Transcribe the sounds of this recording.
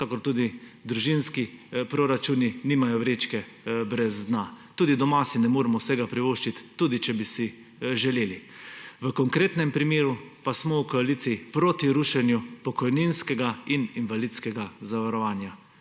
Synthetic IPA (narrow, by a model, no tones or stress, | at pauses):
kakɔɾt̪uːd̪id̪ɾuʒinskipɾoɾat͡ʃuːniniːmajɔʋɾeːt͡ʃkɛ | bɾɛzd̪nat̪uːd̪id̪ɔmasinɛmoːɾɛmɔwsɛɡapɾiʋoːʃt͡ʃit̪ːuːd̪it͡ʃɛbisi | ʒɛleːliʋəkɔŋkɾeːt̪nɛmpɾimeːɾupasmɔwkɔaliːt̪siːpɾoːt̪iɾuːʃɛnjupɔkɔjninskɛɡaininʋalit̪skɛɡazaʋaɾɔʋaːnja